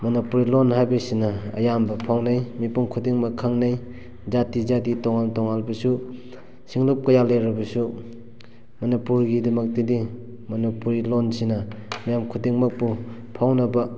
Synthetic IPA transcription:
mɐnipuɾilonɦajbɐsinɐɐ̰jambɐpʰawnajmipuŋkʰudiŋmɐkʰaŋnej | zatizaditɔŋaltɔŋalbɐsu | siŋlop̚kɐjaleɾɐbɐsu | mɐnipuɾɡidɐmɐk̚tidi | mɐnipuɾilonsinɐmijamkʰudiŋmɐk̚pu | pʰawnɐbɐ

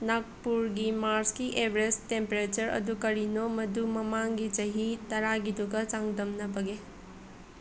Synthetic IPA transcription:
nak̚puɾɡimaɾskiʔebʱɾestempeɾet͡ʃɐɾɐ̰dukɐɾinomɐdumɐmaŋɡit͡ʃɐɦitɐɾaɡiduɡɐt͡ʃaŋdɐmnɐbɐɡe

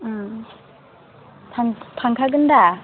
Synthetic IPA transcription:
tʰanpʰaŋkʰaɡɯnda

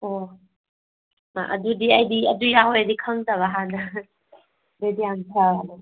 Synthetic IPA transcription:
o | ma̰ʔɐ̰dudiɐjdiɐdujaɦojɐdikʰɐŋtaβaɦanɐ | bedijantʰaana

